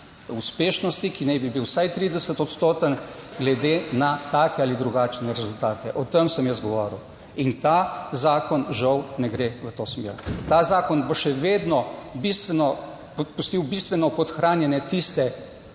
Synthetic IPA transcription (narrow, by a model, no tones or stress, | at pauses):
uspeːʃnɔst̪ikinɛjbibiwsajt̪ɾiːd̪ɛsət̪ɔt̪st̪oːt̪ənɡlɛd̪eːnat̪aːkɛalid̪ɾuɡaːt͡ʃnɛɾɛzult̪aːt̪ɛʔɔt̪əmsəmjəsɡɔʋɔ̰ːɾḭw | int̪azaːkɔnʒawnɛɡɾeʋət̪oːsmḛːɾt̪azaːkɔnbɔʃɛʋeːd̪nɔbist̪ʋɛnɔ | pust̪iwbist̪ʋɛnɔpɔt̪xɾaːnjɛnɛt̪ist̪ɛ